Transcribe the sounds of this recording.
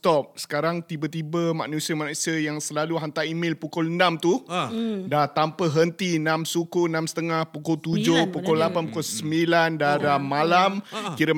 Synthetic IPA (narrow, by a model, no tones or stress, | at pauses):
t̪ɔp̚sə̥kaɾaŋt̪ibət̪ibəma̰ʔnũsiəmanusiəjaŋsəlaluɦant̪aimɪ̃lpukʊlənãmt̪u | dat̪ampəɦənt̪inãmsukunãmsə̥t̪əŋahpukʊlt̪ud͡ʒʊhpukʊlapanpukɔlsəmbilandadamalamkiɾə